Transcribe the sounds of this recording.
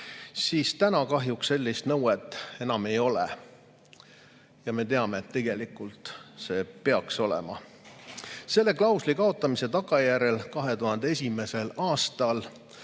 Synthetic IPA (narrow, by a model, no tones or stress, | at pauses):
siːst̪ænɑkɑɦjukse̞lʲːist̪nɤwet̪ːˑe̞nɑme̞jo̞lḛ | jɑme̞t̪e̞ɑme̞ːt̪ːe̞ɡ̥e̞likːˑult̪ˑse̞ːpe̞ɑkso̞lɛ̰mɑ̰ | se̞lːe̞klɑwslikɑo̞t̪ˑːɑmise̞t̪ɑɡ̥ɑjæɾe̞lkɑɦe̞t̪uɦɑnd̪̥ees̬ʲime̞se̞lɑːst̪ɑl